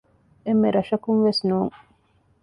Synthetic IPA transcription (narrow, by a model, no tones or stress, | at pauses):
emːeɾɐʃɐkunʋesnuːŋ